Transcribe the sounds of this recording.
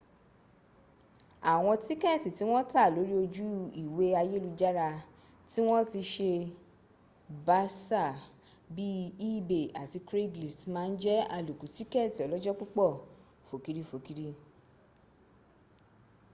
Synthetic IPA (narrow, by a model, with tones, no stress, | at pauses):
a˨w̃ɔ̃˧ti˦kɛ˦˨ti˨ti˨˦w̃ɔ̃˦ta˦˨lo˨˦ɾi˦o˧d͡ʒu˦i˨we˨˦a˧je˦lu˧d͡ʒa˦ɾa˧ | ti˦w̃ɔ̃˦ti˧ʃe˧ | ba˦sa˦˨ | bi˦i˦˨be˨a˨ti˧kɾe˦ɡli˨smãː˧n̩˦d͡ʒɛ˦a˧lu˨ku˨˦ti˦kɛ˦˨ti˨ɔ˨lɔ˦d͡ʒɔ˦k͡pu˦k͡pɔ˦˨ | fo˨ki˦ɾi˦fo˨ki˦ɾi˦